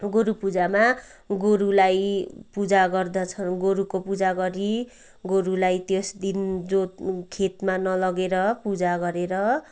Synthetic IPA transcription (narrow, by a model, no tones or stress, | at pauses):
ɡoɾupud͡zama | ɡoɾulajpud͡zaɡʌrd̪ʌt͡sʰʌnɡoɾukopud͡zaɡʌɾi | ɡoɾulajt̪jesd̪ind͡zokʰet̪manʌlʌɡeɾʌpud͡zaɡʌɾeɾʌ